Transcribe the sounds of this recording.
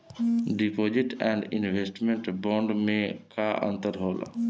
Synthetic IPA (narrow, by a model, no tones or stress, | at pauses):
ɖipoːd͡ʒɪʈɛ̃ːɳɖɪ̰nʋeːsʈmẽɳʈbɔ̃ːɳɖmẽkaʔə̰̃nt̪əɾɦoːla̰